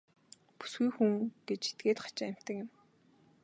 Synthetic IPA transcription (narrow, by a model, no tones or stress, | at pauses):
pu̥sɡujxuŋɡ̥et͡ɕe̥t̪̚ɡeːt̪χḁt͡ɕɪæm̥ʲt̪ə̆kjɪ̆m